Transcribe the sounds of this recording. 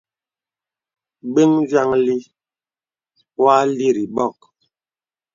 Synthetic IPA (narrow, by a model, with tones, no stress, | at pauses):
ɡ͡be˦ŋvja˦ŋli˦ | wa˦li˦ɾi˨ɓɔ˦˨k̚